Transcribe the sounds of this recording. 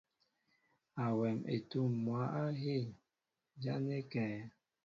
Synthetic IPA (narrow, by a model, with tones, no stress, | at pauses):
a˨wɛ˨mḛ˨tu˦˨mːwa˨˦a˦ɦe˦˨ | d͡ʒa˦ne˦kɛː˨˦